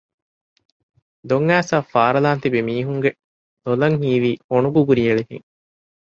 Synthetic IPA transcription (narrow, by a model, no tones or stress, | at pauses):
d̪oŋːæːsaːfaːɾɐlaːnt̪ibemiːɦuŋɡe | lolɐŋɦiːʋiːonuɡuɡuɾiɐɭefḭŋ